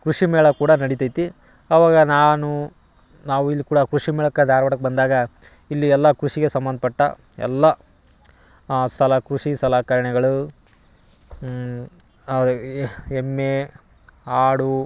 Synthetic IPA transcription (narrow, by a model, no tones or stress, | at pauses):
kɾuʂimɛːɭɐkuːɽɐnɐɽit̪ɐjt̪i | ɐʋaːɡɐnaːnu | naːʋuilːikuːɽɐkɾuʂimɛːɭɐkːɐd̪ʱaːɾʋɐɽɐkːebɐnd̪aːɡɐ | ilːiɛlːɐkɾuʂiɡe̞sɐmbɐnd̪ʱɐpɐʈːɐ̰ | ɛ̰lːɐ | sɐlɐkɾuʂisɐlaːkɐɾɐɳɛɡɐɭu | emːe | aːɽu